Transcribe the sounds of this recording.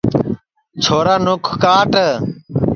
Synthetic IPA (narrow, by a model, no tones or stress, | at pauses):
t͡ʃʰoːɾaːnʊkʰkaːʈə